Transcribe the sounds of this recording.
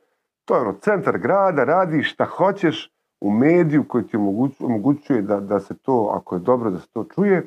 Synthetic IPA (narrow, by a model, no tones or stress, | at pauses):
t̪oːjeonoːt̪se̞nt̪aɾɡɾaːd̪aɾaːd̪iːʃʃt̪axo̞t͡ɕe̞ʃ | umeːd̪ijuko̞jit̪iomoɡuomoɡut͡ɕuje̞d̪ad̪ase̞t̪oːa̰koje̞d̪o̞bɾod̪ase̥t̪o̞ːt͡ʃuje̞